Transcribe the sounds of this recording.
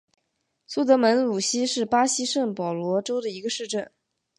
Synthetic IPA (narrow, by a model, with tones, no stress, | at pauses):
su˥t̪̬ɤ˧˥mə˧˥nlu˨˩ɕi˥ʂɻ̩˥˩pa˥ɕi˥ʂə˥˩ŋpɑ˨˩ʊlwɔ˧˥ʈ͡ʂo˥ʊd̪ə˨i˧˥ɡə˧ʂɻ̩˥˧ʈ͡ʂə˥˩n